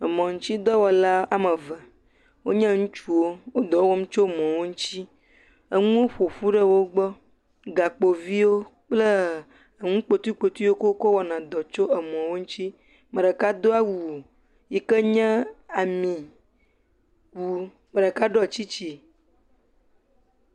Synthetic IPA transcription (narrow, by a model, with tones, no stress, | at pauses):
ə˨mɔ̃˨ŋũ˦t͡ɕi˦d̪ɔ˦wɔ˨la˦a˨mə̃˨və˨ | wo˦ɲɛ̃˦ŋũ˦t͡ʃu˦wo˦wo˦d̪ɔ˨wo˦wɔ˦m˦t͡ʃo˦mɔ̃˨wo˦ŋũ˦t͡ɕi˦ | ə˨ŋũ˦o˦ɸo˨ɸu˦ɖə˦wo˦ɡ͡bɔ˦ | ɡa˨k͡po˨vi˦wo˦k͡plə˦ | ə˨ŋũ˦k͡po˨t̪u˦k͡po˨t̪u˦wo˦ko˦ko˦wɔ˨nã˨d̪ɔ˨t͡ʃo˦ə˨mɔ̃˨wo˦ŋũ˦t͡ʃi˦ | mə̃˨ɖə˨ka˦d̪o˦a˦wuu˨ | ji˨kə˦ɲɛ̃˦a˨mĩ˨ | wu˨ | mə̃˨ɖə˨ka˦ɖɔ˦˨t͡ɕi˦t͡ɕi˨